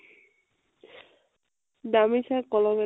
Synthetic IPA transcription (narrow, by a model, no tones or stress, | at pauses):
d̪amisakɔlɔme